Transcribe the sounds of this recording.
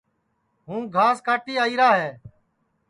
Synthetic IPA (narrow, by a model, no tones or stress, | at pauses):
ɦũːɡʱaːskaːʈiːaːiːɾaːɦɛː